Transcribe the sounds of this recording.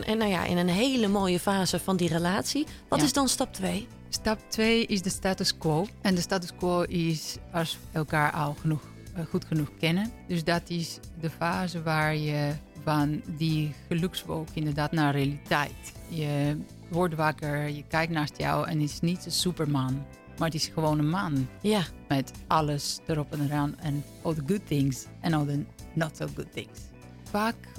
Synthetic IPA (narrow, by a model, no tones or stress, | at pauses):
nawja̰ʔɪ̰nənɦeːləmoːjəfaːzəfɔndirəlaːtsiʋɔtɪzdɔnstɑp̚tʋeː | stɑp̚tʋeːʔɪsdəstaːtuskwoːɛndəstaːtuskwoːʔɪsɔsɛlˠkaːɹʔɔlˠxənux | xutxənuxkɪnədøsdɔtɪsdəfaːzəʋaːɹjəfandiɣəlʉksʋo̰ːkɪ̃ndəɹdaːtnarealitʰɛjtjə | ʋɔɹtʋakəɹjəkɛjk̚tnaːstjɔ̰wɛ̰nɪtɪ̥snitəsypəɹman | maɹətɪsxəʋoːnənmanjamɛtɑləsd̥əɾɔpəndəɾanɛn | ɔdəɡʊd̚θɪ̃ŋs | ɛnodənɔtsoɡʊd̚θɪ̃ŋs | faːk